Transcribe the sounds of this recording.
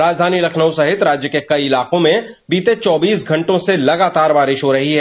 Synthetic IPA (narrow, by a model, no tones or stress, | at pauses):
ɾaːd͡ʒd̪ʱaːnilɐkʰnəusɐɦɪt̪ɾaːd͡ʒjəkekɐiɪlaːqõmẽ | biːt̪et͡ʃɔːbiːsɡʱɐ̃ɳʈõselɐɡaːt̪aːɾbaːɾɪʃɦoɾɐɦiɦɛː